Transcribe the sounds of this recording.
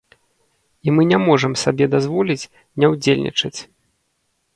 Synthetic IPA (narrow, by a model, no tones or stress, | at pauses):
imɨnʲɛmɔʐəmsabʲɛd̪azvɔlʲit͡sʲ | nʲɛwd͡zʲelʲnʲḭt͡ʂɐt͡sʲ